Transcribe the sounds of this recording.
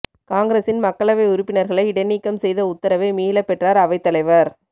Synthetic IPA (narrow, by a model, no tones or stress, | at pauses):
kaːŋɡɪɾeːsɪnmɐkːɐɭɐʋɐɪʊɾʊpːɪnɐɾɣɐɭɐɪɪɽɐnːiːkːɐmsɛjðɐʊt̪ːɐɾɐʋɐɪmiːlɐpːɛʈraːɾɐʋɐɪt̪ːɐlɐɪʋɐɾ